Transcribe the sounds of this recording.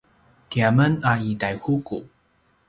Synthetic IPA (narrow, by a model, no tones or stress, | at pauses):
kiamənaitajhuku